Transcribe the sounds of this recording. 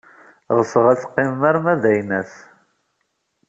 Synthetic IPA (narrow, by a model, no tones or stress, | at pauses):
ʁəsəʁæt͡sːqːɪmːæɾmæðæjnæθ